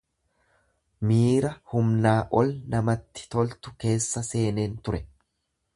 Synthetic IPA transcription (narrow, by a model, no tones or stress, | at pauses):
miːɾɐhʊmnaːʔɔlnɐmɐt̪ːɪ̥t̪ɔlt̪ʊke̞ːsːɐse̞ːne̞ːnt̪ʊɾɛ